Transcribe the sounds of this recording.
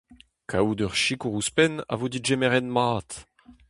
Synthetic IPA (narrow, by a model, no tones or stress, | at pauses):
kʰaud̪œʁʃikuʁuspɛna̰vod̪iʒemɛʁɛnmaːt